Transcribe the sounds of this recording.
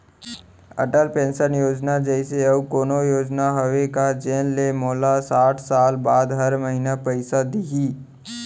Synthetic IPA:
ɐ̰ʈəlpẽːnʃənjoːd͡ʒnad͡ʒɛɪseɐʋkoːnojoːd͡ʒnaɦɐʋekad͡ʒeːnlemoːlasaːʈʰsaːlbaːd̪ɦɐɾmɐɦinapɐɪsad̪iɡiː

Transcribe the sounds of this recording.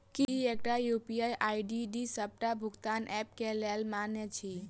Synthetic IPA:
kiek̚ʈajupijajʔaiɖiɖisəb̚ʈabʱuɡt̪anʔɛp̚kelelmanet͡ʃʰi

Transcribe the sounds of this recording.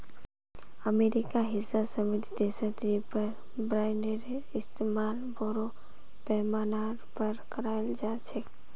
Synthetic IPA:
əmeɾikaɦɪsasəmɪt̪id̪esəd̪ɾipəɾ | bɾaːɪneɾe | ɪst̪emaːlboɾo | pɛmanaɾpəɾkəɾald͡ʒat͡ʃʰɛ

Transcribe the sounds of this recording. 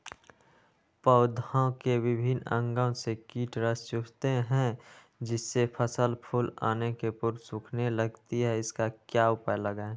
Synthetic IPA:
pəʊd̪ʱõkeʋɪbʱɪnə̰̃ŋɡə̃sekiːʈɾəst͡ʃʊɾt̪eɦɛ̃ | d͡ʒɪsːepʰəsəlpʰula̰ːnekepʊɾsʊkʰneləɡt̪iɦɛɪskakjaʊpəjləɡae

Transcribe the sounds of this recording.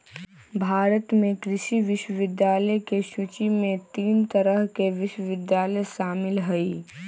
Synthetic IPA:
bʱaːɾət̪mẽkɾɪʃiʋɪʃwəʋɪd̪jaːləjkeʃʊt͡ʃimẽt̪iːnt̪ɐɾəɦkeʋɪʃwəʋɪd̪jaːləjʃaːmɪlɦɛi

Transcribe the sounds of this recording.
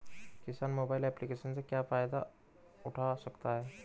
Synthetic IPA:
kisanmobailɛplikeɕənt͡səkjafajd̪a̰ | uʈʰasəkt̪aɦɛ

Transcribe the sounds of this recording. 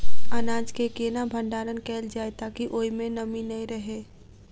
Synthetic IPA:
ɐnãːd͡ʒkekeːnabʱə̃ɳɖaːɾənkɛːld͡ʒaːet̪akiʔoːimẽnɐminɐĩɾɐɦeː

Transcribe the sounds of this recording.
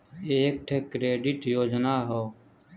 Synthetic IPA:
eːeːk̚ʈʰeːkɾeːɖɪʈjoːd͡ʒnaːɦoː

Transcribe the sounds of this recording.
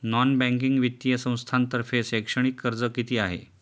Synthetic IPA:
nɔnbæ̃ŋk̬iŋɡʋit̪ːjəsə̃w̃st̪ʰant̪əɾfesekʂəɳ̃ikːəɾd͡zəkit̪iːaɦḛ

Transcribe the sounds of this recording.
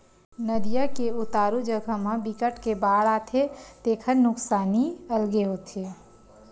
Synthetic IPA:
nəd̪ijakeʊt̪aːɾud͡ʒəɡʱəmãbikəʈkebaːɽaːt̪ʰet̪eːkʰəɾnʊksaːniəlɡeɦot̪ʰe

